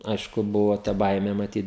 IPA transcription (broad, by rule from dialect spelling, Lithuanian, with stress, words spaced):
ˈɐɪʃkʊ ˈbʊʋoː tɐ ˈbɐɪmʲeː mɐˈtʲiːt